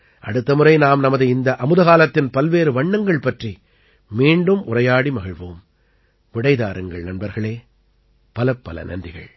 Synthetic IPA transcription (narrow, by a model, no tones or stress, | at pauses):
ʔɐ̰ɽɯt̪ːɐmɯrɐɪnaːmnɐmɐðɯɪnd̪ɐʔɐmɯðɐɣaːlɐt̪ːɪnpɐlʋeːɾɯʋɐɳːɐŋɡɐɭpɐʈri | miːɳɖɯmʔʊrɐjaːɽimɐɣɐɻʋoːm | ʋɪɽɐɪðaːɾɯŋɡɐɭnɐnbɐɾɣɐɭeː | pɐlɐpːɐlɐ̰nɐ̰ndrɪɣɐ̰ɭ